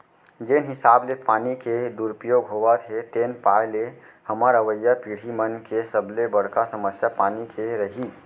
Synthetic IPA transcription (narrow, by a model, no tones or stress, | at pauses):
d͡ʒenɦɪsaːblepaːniked̪uɾpijoːɡɦoːʋat̪ʰɦet̪eːnpaːjle | həməɾəʋəjːapiːɽ̤imənkesəblebəɽ̤kasəməsjapaːnikʰeɾəɦiː